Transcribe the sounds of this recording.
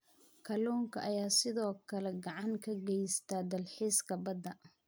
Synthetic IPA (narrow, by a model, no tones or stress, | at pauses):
kʰɐluːŋkʰɐʔɐjaːsɪðɔːkʰɐlɛɡɑʕɑŋkʰɐɡɛjst̪ʰaːd̪ɐlħiskʰɐbɐd̪ːɐ